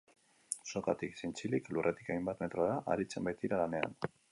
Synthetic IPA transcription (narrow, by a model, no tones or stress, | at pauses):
so̞ka̰t̪iksint͡siliklurʔet̪i̥kajmbat̪me̞t̪ɾoaðaʔa̰ɾit͡sembajt̪iɾalane̞a̰n